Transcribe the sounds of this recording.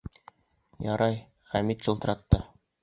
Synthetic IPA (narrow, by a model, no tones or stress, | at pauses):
jɒɾɑj | χæmit̪ɕɤ̆lˠt̪ɤ̆ɾɑt̪ːɤ